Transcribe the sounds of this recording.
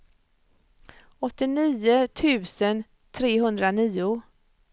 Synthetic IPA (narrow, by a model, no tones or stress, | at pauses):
ɔt̪ːɪniːʊt̪ʰʉ̟ːsən | t̪ʰɾeːɦɵnd̪ɾaniːʊ